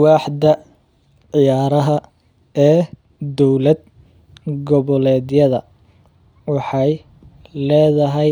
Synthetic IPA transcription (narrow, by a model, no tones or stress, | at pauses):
wɑːħd̪ɐ | ʕɪjaːɾɐɦɐ | ɛː | d̪ɔwlɐd̪̚ | ɡɔβɔlɛːdjɐðɐ̰ | wɑħɑj | lɛːðɐɦɛj